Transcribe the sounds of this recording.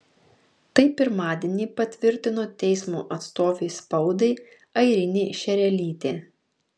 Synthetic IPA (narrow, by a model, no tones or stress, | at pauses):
t̪ɐɪpʲɪɾmɑːd̪ʲɛnʲiːpɐt̪ʲʋʲɪɾʲt̪ʲɪnoːt̪ʲɛɪsmṵːʔɐt̪st̪oːʋʲeːspɒʊd̪ɐɪ | ɐɪɾʲɪnʲeːʃʲɛɾʲɛlʲiːt̪ʲeː